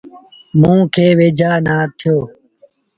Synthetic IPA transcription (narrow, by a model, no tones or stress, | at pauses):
mũːkʰeːʋeːd͡ʒʱaːnaːt̪ʰɪjoː